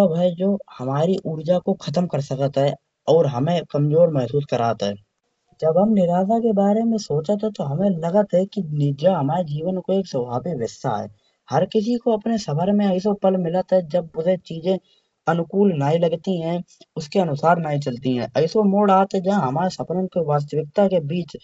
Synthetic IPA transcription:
əbʱɦɛd͡ʒoːhɐmaːɾiʔuːɾd͡ʒakoxʰɐt̪əmkəɾsəkət̪ɦɛ | ɔːɾɦɐmẽkɐmzoːɾmɛɦsuːskəɾa̰ːt̪ɦɛː | d͡ʒəbɦəmnɪɾaːzakebaːɾemẽsoːt͡ʃət̪ɦɛt̪oɦɐmẽlɐɡət̪ɦɛkinɪd͡ʒaɦɐmaːɾed͡ʒiːʋənkoeːksəbʱaːbiʋɪsa̰ɦɛ̰ː | hɐɾkɪs̬ikoɐpnesɐbəɾmẽəɪis̬opəlmɪlət̪ɦɛd͡ʒəb̚ʊzet͡ʃiːd͡ʒẽ | ɐnʊkuːlnaːĩləɡt̪iɦɛ̃ | ʊskeɐnʊsaːɾnaːĩt͡ʃəlt̪iɦɛ̰̃ʔɐɪsomoːɽaːt̪ɦɛd͡ʒaɦɐmaːɾesɐpnənkeʋaːs̬t̪əʋɪk̚t̪akebiːt͡ʃ

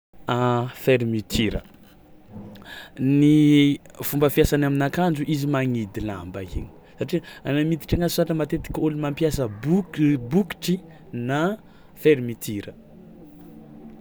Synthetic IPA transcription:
afeɾmit̪ʰiɾə̰ | ni | fumbəfiasanaminakand͡ʒuʔizimaŋid̪ila̰mbaḭɲi̥ | saʈ͡ʂianamit̪i̥ʈ͡ʂaŋazsaʈ͡ʂəmat̪et̪i̥kʲulimampjasəbubuki̥ʈ͡ʂi | na | feɾimit̪ʰiɾə

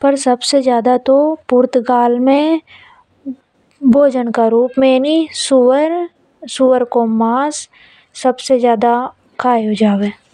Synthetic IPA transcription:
pəɾsɐbsezjaːd̪at̪opʊɾt̪ɡaːlmẽ | bʱoːd͡ʒənkaɾuːpmẽnisʊəɾ | suʋəɾkomaːsː | əbsezjaːd̪a | kʰaːjod͡ʒaːweː

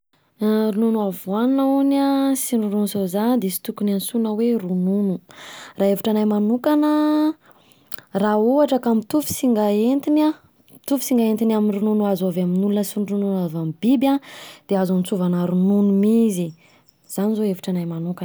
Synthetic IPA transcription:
ɾununuavwannaunasinununusozand̪esi̥t̪ukunansunəwerununuraevuʈ͡ʂanajmanukanə | raoaʈ͡ʂəkamit̪ufi̥siŋɡaent̪ina | t̪ufi̥siŋɡaent̪inaminrununuazovaminulunəsinrununavambibʲad̪̥eazunit͡suvanaɾununumizi | z̥anizoevuʈ͡ʂanajmanukan

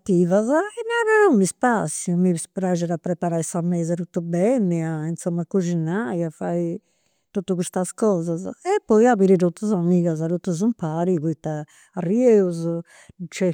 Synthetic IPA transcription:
t̪ːivazɛnaɾanumispasːjumispɾad͡ʒɛɾapːɾɛpaɾajsamːɛːzat̪ut̪ːubɛnːɛaint̪sɔmːakud͡ʒinajafai | t̪ot̪ːukust̪askɔːzazɛpːɔjaβiɾit̪ot̪ːuzamiːɣazaɾot̪ːuzumpaɾiβuit̪ːaː | rːieuz | t͡ʃɛ

